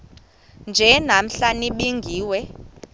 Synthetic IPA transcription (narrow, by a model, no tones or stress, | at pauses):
nd͡ʒʱɛnam̩ɬaniɓiŋɡʱiːwɛ